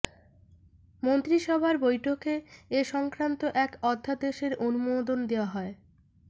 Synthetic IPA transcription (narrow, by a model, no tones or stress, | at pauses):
mont̪ɾiʃɔbʱaɾbojʈʰokeːʃɔŋkɾant̪oʔɛkɔd̪ʱːad̪eʃeɾʔonumod̪ond̪ewaɦɔe